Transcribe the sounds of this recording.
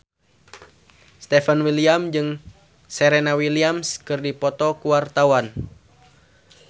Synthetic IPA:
st̪ɛfɛnwiliamd͡ʒɨŋ | sɛɾenawiliamskɨrdipɔt̪ɔkuwart̪awan

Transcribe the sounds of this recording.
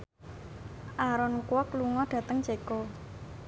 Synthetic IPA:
ʔaɾɔnkuwɔkluŋɔɖ̥ä̤t̪əŋt͡ʃeko

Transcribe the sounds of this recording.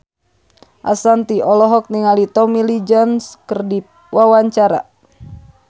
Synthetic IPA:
ʔa̰sant̪iɔlɔɦɔk̚niŋalit̪ɔmilid͡ʒanskərdip̚ | wawaɲt͡ʃaɾa̰

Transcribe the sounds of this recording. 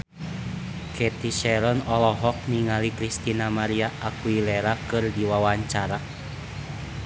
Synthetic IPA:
kɛt̪iʃɛɾɔnɔlɔɦɔk̚niŋalikɾist̪inamaɾiaʔːkuilɛɾakɨrdiwawaɲt͡ʃaɾa

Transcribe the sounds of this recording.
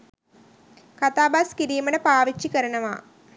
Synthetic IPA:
kat̪aːbaːskiɾijmɐnəpaːʋit͡ʃːikɐɾɐnɐʋa̰

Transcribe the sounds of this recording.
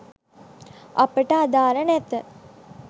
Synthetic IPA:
a̰pəʈəad̪aːɾənɛt̪ə

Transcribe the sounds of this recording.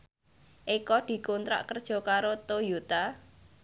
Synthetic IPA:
ʔikɔd̪̥i̤kont̪ɾa̰ʔkərd̥ʒ̥ɔ̤kaɾot̪ojut̪a

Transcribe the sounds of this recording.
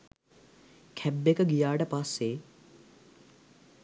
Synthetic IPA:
kʰɛbːekəɡijaːʈəpasːeː

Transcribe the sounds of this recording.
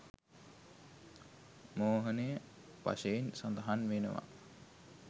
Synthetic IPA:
moːɦənejə | pa̰ʃeinsand̪əɦanʋenəʋa̰

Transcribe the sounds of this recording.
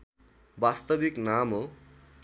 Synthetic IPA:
bast̪ʌbiknamo

